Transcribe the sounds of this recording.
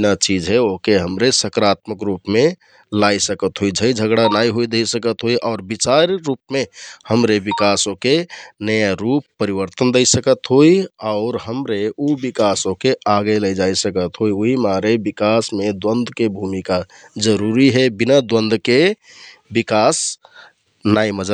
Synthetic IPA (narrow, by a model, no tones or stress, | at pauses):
nat͡ʃid͡ʒɦɛoɦkeɦəmɾesəkɾat̪məkɾupmẽ | lajsəkət̪ɦoid͡ʒʱəid͡ʒʱəɡɽanaiɦoid̪əjsəkət̪ɦoiʔɔʊɾbit͡ʃaɾːup̚mehəmɾebikasõkenəjaɾupːəɾiβəɾt̪ənd̪əjsəkət̪ɦoiaʊɾɦəmɾeubikasõkeʔaɡələjd͡ʒajsəkət̪ɦoiuɦimaɾebikasmed̪wənd̪ʱkebʱumika | d͡ʒəɾuɾiɦɛbinəd̪wə̃nd̪ʱke | bikas | naiməd͡ʒə